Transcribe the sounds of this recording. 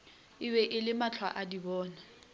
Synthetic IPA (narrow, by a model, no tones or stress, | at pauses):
ɪbɛʔɪlɪmat͡ɬʰwa̰ʔadibɔːna